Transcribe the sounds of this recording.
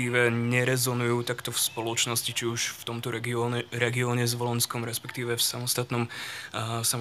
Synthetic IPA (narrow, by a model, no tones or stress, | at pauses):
iːʋɛɲɛɾɛzɔnujuːt̪akt̪ɔfspɔlɔt͡ʃnɔscit͡ʃiuʃft̪ɔmt̪ɔɾɛɡiɔɛɾɛɡiɔːɲɛzʋɔlɔnskɔmɾɛspɛkt̪iːʋɛfsamɔst̪at̪nɔm | sam